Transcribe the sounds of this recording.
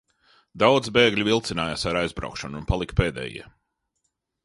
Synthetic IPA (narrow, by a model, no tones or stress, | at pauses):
d̪awd̪zbeːɡlʲivilˠt̪sinaːjaːsaɾajzbɾa̰ʊkʃanunpalˠikpeːd̪ɛ̰ːjḭɛ